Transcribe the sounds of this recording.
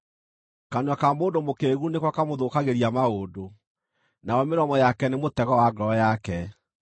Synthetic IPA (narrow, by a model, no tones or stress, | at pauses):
kanwakamoːndomokeɣunekwakamoðokaɣeɾiamaoːdo | naɔmeɾɔmɔjakɛnemotɛɣɔwaɡɔjakɛ